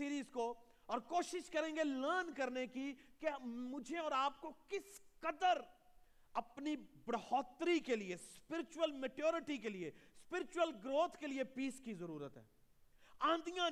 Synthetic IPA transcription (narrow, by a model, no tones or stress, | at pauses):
iːɾiːzko | ɔːɾkoːʃɪʃkɐɾẽːŋɡeləːnkɐɾnekikemʊd͡ʒʱeɔːɾaːp̚kokɪskɐd̪əɾ | ɐpnibɽɐhɔːt̪ːɾikeliespɪɾɪt͡ʃʊwəlmeʈjoːɾɪʈikeliespɪɾɪt͡ʃʊwəlɡɾoːt̪ʰkeliepiːskizɐɾuːɾət̪ɦɛ̰ː | ãːnd̪ijã